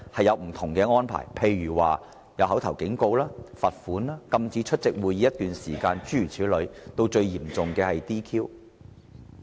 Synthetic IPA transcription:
hɐ˨jɐ˨˧wm̩˨˩t̪ʰʊ˨˩ŋkɛː˧ŋɔː˥npʰa̰ː˨˩jpʰe˧jɥyː˨˩waː˨˩ | jɐ˨˧wɦɐ˨˥wt̪ʰɐ˨˩wkɪ˨˥ŋko˧wlaː˥fɐ˨t̚fuː˨˥naː˥kɐ˧mt͡siː˨˥t͡ʃʰɵ˥t̚t͡sɪ˨k̚wuː˨˧ji˨˧jɐ˥t̚t̪yː˨nsiː˨˩kaː˧nt͡ʃyː˥yː˨˩t͡sʰiː˨˥wlɵ˨˧ɥt̪o˧wt͡ʃɵ˧ɥjiː˨˩mt͡sʊ˨ŋkɛː˧hɐ˨jt̪iː˥kʰiː˥w

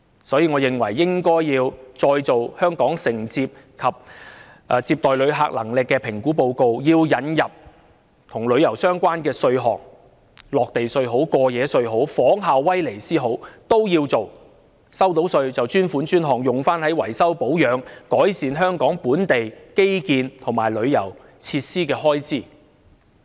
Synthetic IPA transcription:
sɔː˨˥jiː˨˧ŋɔ˨˧jɪ˨ŋwɐ̰˨˩jːɪ˥ŋkɔː˥jjiː˧wt͡sɔː˧jt͡so˨whœː˥ŋkɔː˨˥ŋsɪ˨˩ŋt͡siː˧p̚ | kʰɐ˨p̚ | ʔt͡siː˧p̚t̪ɔː˨jlɵ˨˧ɥɦa̰ː˧k̚lɐ̰˨˩ŋlɪ˨kːɛː˧pʰɪ˨˩ŋkuː˨˥po˧wko˧wjiː˧wjɐ˨˧njɐ˨p̚ | t̪ʰʊ˨˩ŋlɵ˨˧ɥjɐ˨˩wsœː˥ŋkʷaː˥nkɛː˧sɵ˧ɥɦɔ̰ː˨k̚ | lɔː˨k̚t̪e˨jsɵ˧ɥɦo˨˥wkɔː˧jɛː˨˧sɵ˧ɥɦo˨˥wfɔː˨˥ŋɦaː˨˧wːɐ˥jle˨˩jsiː˥ɦo˨˥wt̪o˥wjiː˧wt͡so˨w | sɐ˥wt̪̬o˨˥wsɵ˧ɥt͡sɐ˨wt͡ʃyː˥nfuː˨˥nt͡ʃyː˥nɦɔː˨ŋjʊ˨˩ŋfaː˥nhɐ˨˥jwɐ̰˨˩jsɐ˥wpo˨˥wjœː˨˧ŋkɔː˨˥jsiː˨˧nɦœː˥ŋkɔː˨˥ŋpuː˨˥nt̪e˨jke˥jkiː˧nt̪ʰʊ˨˩ŋmaː˨˩jlɵ˨˧ɥjɐ˨˩w | t͡sʰiː˧t̚siː˥kɛː˧ɦɔː˥jt͡siː˥

